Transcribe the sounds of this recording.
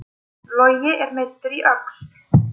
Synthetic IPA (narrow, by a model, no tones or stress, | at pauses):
lɔɥjɪʔɛɾmɪt̪ːʏɾiʔœkst̪